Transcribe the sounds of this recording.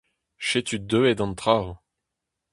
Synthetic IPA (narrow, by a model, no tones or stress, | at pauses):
ʃet̪ʰyd̪øed̪ɑ̃nt̪ʁaw